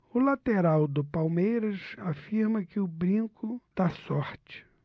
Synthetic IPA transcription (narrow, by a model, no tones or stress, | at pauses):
ʊlat̪eɾawd̪ʊpawmejɾɐsafiɾmɐkɪʊbɾĩŋkʊd̪̥asɔɾt͡ʃɪ̥